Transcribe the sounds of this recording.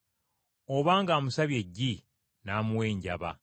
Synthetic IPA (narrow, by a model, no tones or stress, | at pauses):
oβaːŋɡaːmusaβje̞ɟːi | naːmuwe̞ːɲɟa̰βa̰